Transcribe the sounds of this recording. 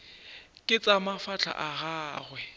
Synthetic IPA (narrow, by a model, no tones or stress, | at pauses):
kʼɪt͡sʼamafat͡ɬʰa̰ʔaɣaːɣwɛ